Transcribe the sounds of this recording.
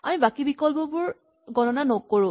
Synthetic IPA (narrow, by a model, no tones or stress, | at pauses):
a̰mibakibikɔlbɔbʊɹ | ɡɔnɔnanɔkoɹʊ̃